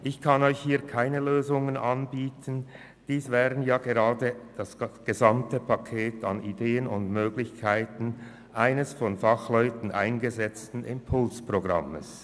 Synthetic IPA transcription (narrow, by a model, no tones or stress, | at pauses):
ʔɪçkʰanɔʏçhiːɐkʰaɪnəløːzʊŋənanbiːtʰən̩ | d̥iːsvɛːʁənjaːɡeʁaːdəd̥asɡ̥əzamtəpʰakʰeːtʰa̰nideːənʊndmøːɡlɪçkʰaɪtn̩ | ʔaɪnəsfɔnfaχlɔʏtn̩ʔa̰ɪnɡəzɛt͡stn̩ɪ̰mpʰʊlspʁ̥oɡʁa̰məs